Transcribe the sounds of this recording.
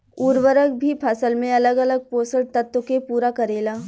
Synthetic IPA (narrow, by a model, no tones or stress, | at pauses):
uːɾʋəɾək̚bʱipʰɐsəlmẽɐləɡələɡ̚poːsəlt̪ət̪wəkepuːɾakɐɾeːlaː